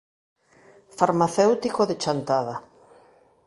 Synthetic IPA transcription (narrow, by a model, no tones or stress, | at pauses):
faɾmaθewt̪ikoðet͡ʃant̪aða